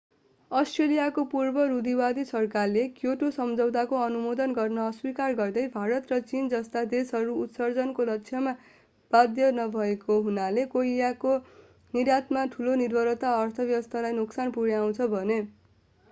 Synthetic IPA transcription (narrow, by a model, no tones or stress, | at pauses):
ʌsʈrelijakopurbʌɾud̪iwad̪isʌrkarlekjoʈosʌmd͡zʌwt̪akoʌnumod̪ʌnɡʌrnʌːswikarɡʌrd̪ʌjbʱaɾʌt̪rʌt͡sind͡zʌst̪ad̪esɦʌɾuːt̪sʌrd͡zʌnkolʌk̚sʰjʌma | b̥ad̪jʌnʌbʱʌekoɦunalekoijako | niɾjat̪maʈʰulonirbʱʌɾʌt̪aʌrt̪ʰʌbjʌbʌst̪ʰalajnuksanpuɽjaw̃t͡sʰʌbʱʌne